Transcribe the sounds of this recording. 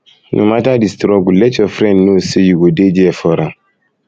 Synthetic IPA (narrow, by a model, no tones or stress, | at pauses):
nʔo̰matadistɾɔɡulɛtjɔfɾɛ̃ndnosejuɡoded͡ʒiɛfɔɾãm